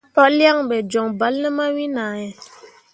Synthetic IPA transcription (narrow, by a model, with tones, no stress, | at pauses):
pɔ˦lja˦˨ŋɓɛ˨d͡ʒɔ˨ŋba˨˦lnə˦ma˦wi˦na˨jɛ˨